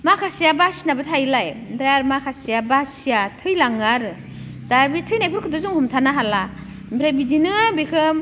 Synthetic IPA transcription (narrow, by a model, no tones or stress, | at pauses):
makʰasijabasinabɯtʰajlajdɾajaɾmakʰasijabasijatʰɯjlaŋaɾɯ | daɾbitʰɯjnajpʰɯɾkʰɯdɔzuŋhumtʰanaɦala | bɾabidinɯbikʰɯm